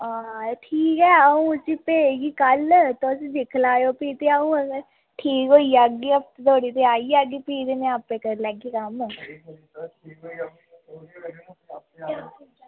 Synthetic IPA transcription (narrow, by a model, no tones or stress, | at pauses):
aːʈʰiːkɛːaũsiːpeːɡiːkəlt̪ʊsĩːd̪ɪkʰlaːjoːpiːt̪eaũːə | ʈʰiːkɦoːiaːɡiːəp̚t̪t̪oːɽiːt̪eaːiːaːɡiːpiːd̪eːnẽapẽkəɾlɛːɡiːkəm